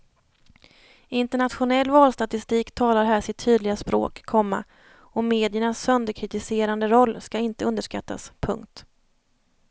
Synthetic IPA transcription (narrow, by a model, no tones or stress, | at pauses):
ɪnt̪ɛɳat̪ɧʊnɛlːvɑːlst̪at̪ɪst̪iːkt̪ʰɑːlaɾɦæːʂɪt̪ʰːyːd̪lɪɡaspɾo̰ːkʰːɔmːa̰ | ɔmeːd̪ɪəɳasːœnd̪əkʰɾɪt̪ɪseːɾand̪əɾɔlːskaɪnt̪əɵnd̪əʂka̰t̪ːa̰spʰɵ̰ŋkt̪